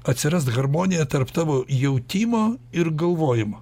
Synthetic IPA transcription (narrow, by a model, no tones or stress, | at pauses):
ɐt̪ʲsʲɪɾɐst̪ɣɐɾmoːnʲɪjɛt̪ɐɾpt̪ɑːʋoːjɛʊt̪ʲiːmoːɪɾɡɐlˠʋoːjɪmo